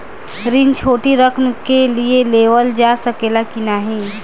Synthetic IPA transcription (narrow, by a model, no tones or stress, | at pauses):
ɾɪnt͡ʃʰoːʈiɾəkʰnəkelieleːʋəld͡ʒaːsəkeːlakɪnaːɦɛ̃ː